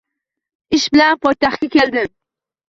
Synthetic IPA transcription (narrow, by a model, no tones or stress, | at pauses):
ɪʃbɪlanpʰɒjt̪aχkʲakʲʰe̞ld̪ɪm